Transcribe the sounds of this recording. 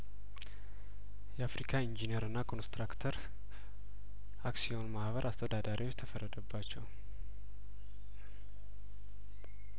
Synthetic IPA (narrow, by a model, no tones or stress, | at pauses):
jɛafɾikʰaind͡ʒineɾɨnːakʰo̞nst̪ɾakt̪ʰəɾ | ʔaksionmahβəɾʔast̪ʰəd̪ad̪aɾʔiwot͡ʃːt̪ʰəfərːəd̪əbːat͡ʃːɛw